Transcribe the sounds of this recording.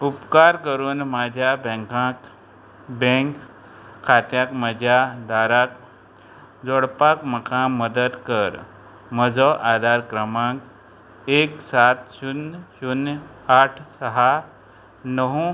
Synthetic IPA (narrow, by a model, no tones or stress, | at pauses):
ʊpkaːɾkəɾoːnmaːd͡ʒjabɛ̃ːŋkãk | bẽːŋk | kʰːaːt̪jaːkmɐd͡ʒjad̪aːɾak | d͡ʒoɽpaːkmɐkaːmːəd̪əd̪kəɾ | mɐd͡ʒɔʔaːd̪ʱaːɾkɾəmãːk | eːksaːt̪ʃunʃunaːʈʰsɐɦaːɾ | nəɦũ